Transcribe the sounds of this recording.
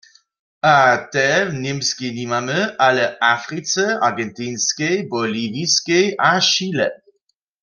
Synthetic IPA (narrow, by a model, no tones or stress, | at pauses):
atɛvnɪmskinimaməʔalɛʔafʁit͡sɛaʁɡɛntiːnskejbɔliviskejʔaʃiːlɛ̰